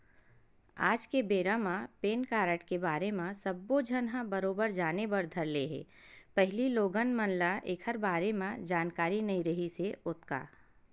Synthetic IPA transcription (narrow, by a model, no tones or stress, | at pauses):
a̰ːd͡ʒkebeːɾamãpeːnkaːɾəʈkebaːɾemãsəbːod͡ʒʱənɦãbəɾoːbəɾd͡ʒaːnebəɾd̪ʱəɾleɦɛ̰ː | pɛɦɪliloːɡənmənlaʔeːkʰhəɾbaːɾemãd͡ʒaːnkaːɾinɐĩɾəɦiseʊt̪ka̰ː